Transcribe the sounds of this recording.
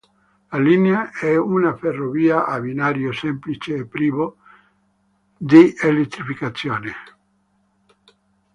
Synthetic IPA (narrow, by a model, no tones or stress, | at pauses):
lalineaɛunaferoβiaʔaβinaɾjosemplit͡ʃeːpɾiβo | d̪ielet̪ːɾifikat͡sjone